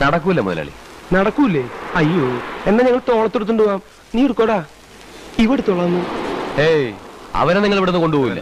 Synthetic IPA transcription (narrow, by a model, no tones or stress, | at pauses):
nɐɽɐkːuilːɐmṵðɐla̰ːɭḭnɐɽɐkːumilːeɐjːoːe̞nːeɲɐŋːɐɭt̪o̞ːɭɐt̪ːuɽut̪̬ːuɳɖuɣaːm | niːoɾukːoːɽaː | iʋɐɽet̪ːoɭɐnːuejɐ̰ʋɐneniŋːɐɭeʋiɽenːɨko̞ɳɖuboːjilːɐ̰